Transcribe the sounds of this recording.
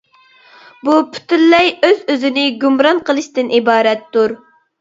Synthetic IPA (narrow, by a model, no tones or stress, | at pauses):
bupʰy̥t̪ʰylːɛjøzøzɪnɪɡʲumɾɑnqʰəlˠɨʃt̪ɨnʔibɑːɾɛt̪ːuɾ